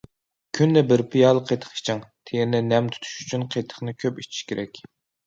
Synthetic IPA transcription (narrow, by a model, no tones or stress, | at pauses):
kʲʰynlɛbɪɾpʰijɑlˠəqʰet̪ʰə̥χi̥t͡ʃʰɪŋt̪ʰeɾnɪnɛmt̪ʰy̥t̪ʰy̥ʃy̥t͡ʃʰynqʰet̪ʰə̥χnɨkʲʰøpit͡ʃʰi̥ʃkʲeɾʔɛkʲ